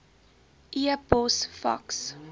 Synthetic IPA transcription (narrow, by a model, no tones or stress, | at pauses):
ʔiəbɔsfɐ̰ks